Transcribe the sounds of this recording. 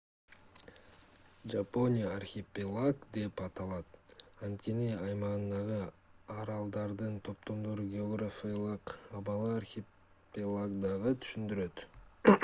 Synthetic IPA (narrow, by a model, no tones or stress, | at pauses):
d͡ʒapo̞nʲijaarxʲɪpʲɪlˠaɡd̪e̞pɑt̪ɑlˠɑt̪ɑnt̪kʲe̞niɑjmɑʁɯnd̪ɑʁɯɑɾɑlˠd̪ɑɾd̪ɯnt̪ʰo̞p̚t̪o̞md̪oɾuɡʲeoɡrafʲijlˠɯqɑβɑlˠɯarxʲɪ | pʲɪlˠaɡd̪ɑʁɯt̪ʰy̥ʃynd̪yɾø̞t̪